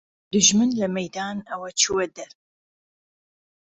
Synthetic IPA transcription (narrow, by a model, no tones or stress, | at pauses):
d̪ɨʒmɨnlɐmɐjd̪aːnɐwɐt͡ʃʰuwɛd̪ɐɾ